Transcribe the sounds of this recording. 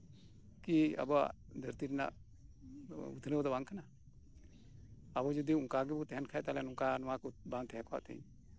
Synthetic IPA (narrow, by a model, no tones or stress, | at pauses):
kia̰bɔwa̰ʔd̪ʱəɾt̪iɾɛna̰ʔ | ṵt̪ʰnəbd̪ɔbaŋkʰana | abɔd͡ʒud̪iuŋkaɡɛbɔt̪ɛɦɛnkʰaɛʔt̪alɛnuŋkanɔwakubaŋt̪ɛɦɛkɔa̰ʔt̪ʰɛ̰ɲ